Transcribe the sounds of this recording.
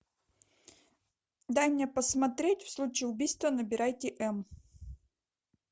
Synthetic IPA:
d̪ajmʲnʲepəsmɐt̪ɾʲetʲfslˠut͡ɕɪːʊbʲijst̪vənəbʲɪɾajtʲɪʔɛm

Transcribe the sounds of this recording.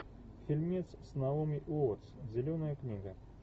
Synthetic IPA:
fʲilʲmʲɛt̪ssnaumʲiʔuɔt̪szʲɛlʲɔnɐjəknʲiɡɐ

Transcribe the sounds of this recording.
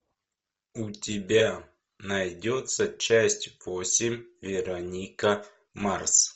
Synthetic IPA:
ʊtʲɪbʲa | nɐjdʲot̪sət͡ɕæsʲtʲvosʲɪmʲvʲɪɾɐnʲikə | mars

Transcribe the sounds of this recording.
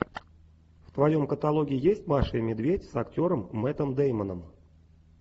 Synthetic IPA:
ft̪vɐjo̞mkət̪ɐlˠo̞ɡʲɪɪjesʲtʲmaʂɨəmʲɪd̪vʲetʲsɐktʲo̞ɾəmːɛt̪əmd̪ejmənəm

